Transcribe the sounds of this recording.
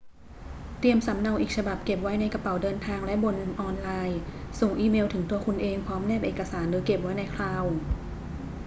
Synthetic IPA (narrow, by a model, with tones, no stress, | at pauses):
t̪i˧əmsa˩˦mna˧wʔiː˨˩k̚sʰa˧ba˨˩p̚ke˨˩p̚wa˦˥jna˧jka˧pa˩˦wdɤː˧nt̪ʰaː˧ŋlɛ˦˥ʔbo˧nʔɔː˧nlaː˧jso˨˩ŋʔiː˧meː˧wt̪ʰɯ˩˦t̪u˧ɐkʰu˧nʔeː˧ŋpʰɔː˦˥mnɛː˥˩p̚ʔeː˨˩kːa˧saː˩˦nɾɯː˩˦ke˨˩p̚wa˦˥jna˧jkʰlaː˧w